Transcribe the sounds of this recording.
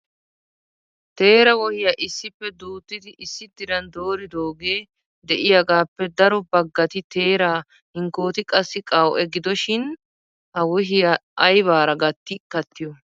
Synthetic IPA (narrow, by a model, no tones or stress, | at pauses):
t̪e̞ːɾɐwɔhɪjɐʔɪsːɪpːɛd̪uːt̪ːɪd̪ɪʔɪsːɪd̪ɪɾɐnd̪o̞ːɾɪd̪o̞ːɡeː | d̪ɛʔɪjɐɡaːpːɛd̪ɐɾɔbɐɡːɐt̪ɪt̪e̞ːɾaː | hɪŋko̞ːt̪ɪkʼɐsːɪkʼɐwʔɛɡɪd̪ɔʃɪn | ɐwɔɦɪjɐʔɐjβaːɾɐɡɐt̪ːɪkːɐt̪ːɪjɔ